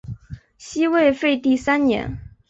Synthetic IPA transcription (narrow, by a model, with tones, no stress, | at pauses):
ɕi˥we˥˧ɪfe˥˧ɪt̪i˥˩sa˥nnjɛ̰˧˥n